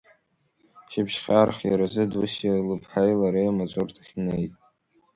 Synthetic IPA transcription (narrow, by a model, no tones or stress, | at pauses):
t͡ʃʰɪbʒχʲarχʲjaɾazɨdusalɨpʰħajlaɾeamat͡sʷʼʊrtʰaχʲinejtʼ